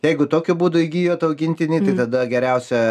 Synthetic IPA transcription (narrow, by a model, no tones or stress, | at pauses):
jɛɪɡʊt̪oːkʲʊbuːd̪ʊɪɡʲiːjoːt̪ɐʊɡʲɪnʲt̪ʲɪnʲiːt̪ɐɪt̪ɐd̪ɐɡʲɛɾʲɛʊsʲɛ